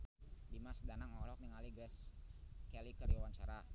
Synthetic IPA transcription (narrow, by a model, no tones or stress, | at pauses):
dimasdanaŋɔlɔk̚niŋaliɡɾɛskɛlikəɾiwawaɲt͡ʃaɾa